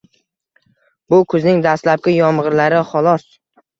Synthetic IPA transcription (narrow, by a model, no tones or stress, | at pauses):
bʊkʰɵznɪŋd̪ast̪lap̚kʲɪjɒmʁɨɾlaɾɪχɒlˠɒs